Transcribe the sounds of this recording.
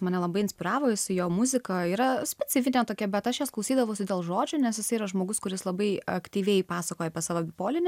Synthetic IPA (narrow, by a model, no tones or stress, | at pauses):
mɐnʲɛlˠɐbɐɪɪnʲsʲpʲɪɾɑːʋoːjɪsʲɪjoːmʊzʲɪkɐiːɾɐsʲpʲɛt͡s̪ʲɪfʲɪnʲet̪oːkʲɛbʲɛt̪ɐʃjɛsklˠɐʊsʲiːd̪ɐʋɐʊsʲɪd̪ʲeːlˠʒoːd͡ʒʲʊnʲɛsjɪsɐɪiːɾɐʒmoːɡʊskʊɾʲɪslˠɐbɐɪɐ̰kt̪ʲiːʋʲɛɪpɑːsɐkoːjɛɐpʲiɛsɑːʋoːbʲɪpoːlʲɪnʲɪ